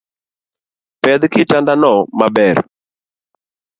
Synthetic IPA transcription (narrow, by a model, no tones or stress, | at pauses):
pɛd̪kɪtandanɔmabɛr